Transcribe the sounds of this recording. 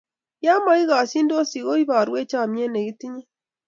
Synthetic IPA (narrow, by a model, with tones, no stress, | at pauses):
ja˦ma˨i˦ɣa˨si˦ndo˦si˨ɣo˦i˦βa˨ɾwe˦t͡ʃa˦˨mje˦ne˨ɣi˦ti˦ɲe˦